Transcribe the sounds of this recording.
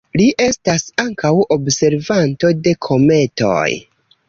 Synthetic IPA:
liʔe̞stasaŋkawobse̞ɾvanto̞de̞kʰo̞me̞to̞̰j

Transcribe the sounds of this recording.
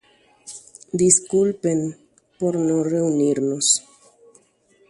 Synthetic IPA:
d̪iskulpen | poɾnoreuniɾnos

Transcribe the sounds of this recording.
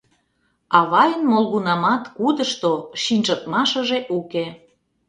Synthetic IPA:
ɑβɑjənmolɣunɑmɑt̪kud̪əʃt̪oʃinʲʒət̪̚mɑʃəʒeʔuke

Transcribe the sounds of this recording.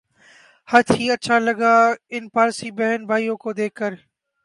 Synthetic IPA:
hət̪ʰiːəʃʰaːləɡaːɪnpaːlsiːbɛɦənbʱaːiːõːkoːd̪eːkːəɾ

